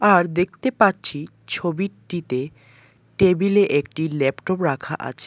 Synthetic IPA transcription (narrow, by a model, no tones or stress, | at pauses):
aɾd̪ekʰt̪epatːt͡ɕʰi | t͡ɕʰobiʈit̪e | ʈebileʔek̚ʈilɛpʈopɾakʰa̰ʔa̰t͡ɕʰe̥